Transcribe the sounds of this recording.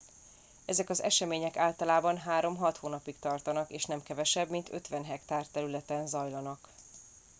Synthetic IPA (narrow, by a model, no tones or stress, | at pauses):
ɛzɛkɒzɛ̰ʃɛmeːɲɛkaːlt̪ɒlaːbɒnɦaːɾo̞mɦɒt̪hoːnɒpikt̪ɒrt̪ɒnɒkeːʃnɛmkɛvɛʃɛbmint̪ø̞̰t̪ʋɛnɦɛkt̪aːrt̪ɛɾylɛt̪ɛnzɒjlɒnɒk